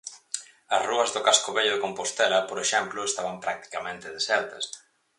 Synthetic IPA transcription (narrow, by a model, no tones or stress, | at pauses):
ɐsruɐzðʊkaskoβeʎʊðekompost̪elɐpoɾeʃɛmplʊest̪aβ̞ɐmpɾak̚t̪i̥kamẽnt̪ɪðesɛlt̪ɐs